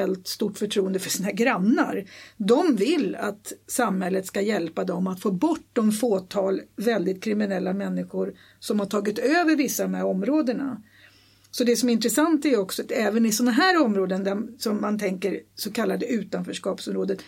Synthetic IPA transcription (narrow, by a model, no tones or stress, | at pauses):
ɛlt̪st̪uʈːfœʈʰɾuːənd̪əfœʂiːnaɡɾanːa̰ɾd̪ɔmvɪlːat̪samhɛlːət̪skajɛlpad̪ɔmat̪foːbɔʈːd̪ɔmfoːt̪ʰɑːlvɛld̪ɪt̪̚kʰɾɪmɪnɛlːamɛnːɪɧʊɾ | sɔmhaʈʰɑːɡɪt̪øːvəɾvɪsːad̪ɔmhæɾɔmɾoːd̪əɳa̰ | sɔd̪ɛsɔmɛɾɪnt̪ɾɛsant̪æɔksɔat̪ɛːvənɪsɔnaɦæːɾɔmɾoːd̪ənd̪æsɔmːant̪ʰɛŋkəɾsɔkʰalːad̪əʉ̟ːt̪anfœːʂkɑːpsɔmɾoːd̪ət̪